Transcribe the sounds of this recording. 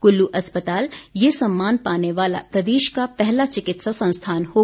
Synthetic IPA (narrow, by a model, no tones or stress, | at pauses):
kʊlːuʔɐspət̪aːljesɐmːaːnpaːneʋaːla̰pɾɐd̪eːʃkapɛɦlat͡ʃɪkɪt̪sasɐ̃nst̪ʰaːnhoː